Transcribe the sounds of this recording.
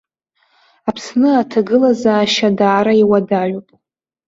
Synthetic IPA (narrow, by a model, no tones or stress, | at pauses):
apʰsnɨatʰaɡɨlazaːʃadaːɾaiwadaʕʷopʼ